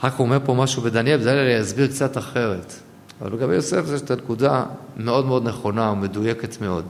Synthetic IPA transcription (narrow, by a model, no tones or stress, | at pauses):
ʁakhuome̞ʁpo̞maʃube̞d̪anjelbedajlalejazbiʁkt͡sataχe̞ʁe̞t | ava̰lbeɡabejosefzeʃet̪anekudame̞o̞dmeo̞d̪neχo̞naome̞duje̞ke̞tme̞o̞d̪